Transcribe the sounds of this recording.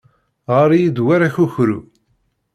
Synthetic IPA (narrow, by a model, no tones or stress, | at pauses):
ʁəɾjid̪waɾaçuçɾṵ